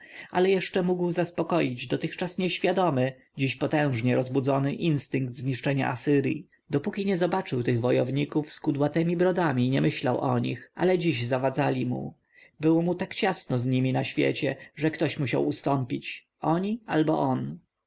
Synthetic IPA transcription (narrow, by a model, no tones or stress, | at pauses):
a̰lɛjɛʂt͡ʂɛmuɡwzaspɔkɔjid͡ʑd̪ɔt̪ɘxt͡ʂasɲɛɕfʲjad̪ɔmɘ | d͡ʑiɕpɔt̪ɛ̃w̃ʐɲɛɾɔzbud̪zɔnɘʔinst̪ɘŋɡd̪zɲiʂt͡ʂɛɲa̰ʔasɘɾjḭ | d̪ɔpukʲiɲɛzɔbat͡ʂɘwt̪ɘɣvɔjɔvɲikufskud̪wat̪ɛmʲibɾɔd̪amʲiɲɛmɘɕlawʔɔ̰ɲḭxʔa̰lɛd͡ʑiʑzavad̪zalʲimṵ | bɘwɔmut̪akt͡ɕasnɔzɲimʲinaɕfʲjɛ̰t͡ɕɛʐɛkt̪ɔɕmuɕawust̪ɔmpʲit͡ɕ | ɔɲia̰lbɔʔɔn